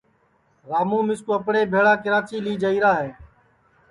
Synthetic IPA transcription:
ɾaːmũːmɪskoəpɽeːbʱeːɽaːkɪɾaːt͡ʃiːliːd͡ʒəiːɾaːɦeː

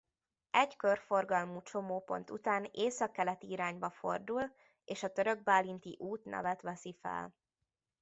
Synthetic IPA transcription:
ɛɟkørfo̞rɡɒlmut͡ʃo̞moːpo̞̰nt̪ṵt̪aːneːsɒkːɛlɛt̪iiɾaːɲbɒfo̞rd̪ul | eːʃɒt̪øɾø̞ɡ̚baːlint̪ḭʔuːt̪nʔɛ̰vɛt̪ʋɛsifɛ̰l

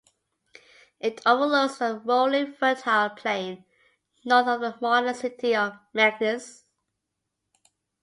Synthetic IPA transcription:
ɪtʰovəlosðəwolĩfɜtʰaɪlˠpʰl̥ẽɪ̃n | nɔtəvðəmɔɾə̃sɪtiəvmæɡ̚nəs

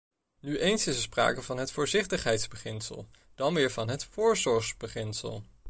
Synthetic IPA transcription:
nyʔejnsɪsəspra̰ːkəvɑnɦətfʊːɹzɪχtəχɦɛjtzbəχɪnsə̰lˠ | d̥ɑnmɪːɹvɑnɦətfʊːɹzɔɹχzbəχɪnsə̰lˠ

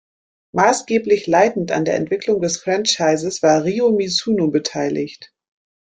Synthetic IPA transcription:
maːsɡ̥eːplɪçlaɪtn̩ta̰ndeːɐʔɛ̰ntv̥ɪklʊŋdɛsfʁ̥ɛnt͡ʃaɪzəsv̥aːɐʁiːomisuːnobətʰaɪlɪçt

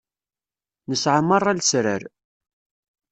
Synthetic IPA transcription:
nəsʕəmːərˤːalsɾəɾ

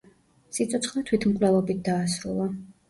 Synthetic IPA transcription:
sit̪sʰʼɔt̪sʰχlɛt̪ʰwit̪ʰmkʼwlɛvɔbit̪̚d̪aːsɾṵlˠa

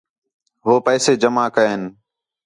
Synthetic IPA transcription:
ɦoːpɛːseːd͡ʒəmaːkəeːn

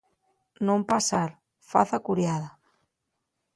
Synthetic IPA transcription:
nõmpasaɾ | fa̰θakuɾjaða

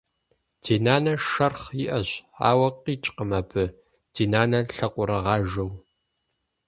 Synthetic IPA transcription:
dʰeːnaːnɐʃɐrχjɪʔɐɕa̰ːwɐqiːt͡ʃʼqəmɐpʰɨ | d̥ʰiːnaːnɐɬɐqʷʼʊɾɐʁɑːʒɐw

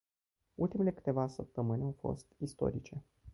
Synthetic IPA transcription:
ult̪ime̞le̞kɨ̥t̪e̞vasəp̚t̪əmɨnʲawfo̞̰st̪ist̪o̞̰ɾit͡ʃe̞

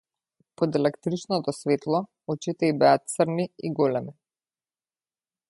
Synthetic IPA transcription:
pɔd̪ɛlɛkt̪ɾit͡ʃnɔt̪ɔsvɛt̪lˠɔ | ɔt͡ʃit̪ɛibɛat̪̚t̪sərniiɡɔlɛmi

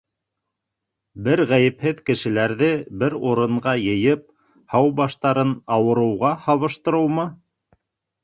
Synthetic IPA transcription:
bɘɾʁæjɘ̆phɘðkɘ̆ʃɘ̆læɾðɘbɘɾuɾɤ̆ɴɢɑjɤ̆jɤp̚ | hɑwbɑʃt̪ɑɾɤnɑwɤ̆ɾɤ̆wʁɑhɑβɤ̆ʃt̪ɤ̆ɾɤ̆wmɤ

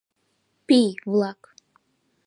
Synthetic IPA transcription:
pijvlˠak

